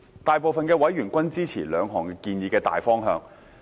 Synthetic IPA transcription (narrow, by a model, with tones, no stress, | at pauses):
t̪aː˨jp̬o˨wfɐ˨nkɛː˧wɐ˨˥jɥyː˨˩nkʷɐ˥nt͡siː˥t͡sʰiː˨˩lœː˨˧ŋɦɔː˨˩ŋkɛː˧kiː˧njiː˨˧kɛː˧t̪a̰ː˨jfɔː˥ŋɦœ̰ː˧ŋ